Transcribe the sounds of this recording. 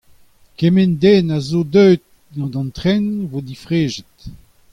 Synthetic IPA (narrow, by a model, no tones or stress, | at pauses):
kemɛnd̪ɛːnazodœɥt̪̚ | dɑ̃d̪ɑ̃nt̪ʁɛ̃nvod̪ifʁeːʒət̪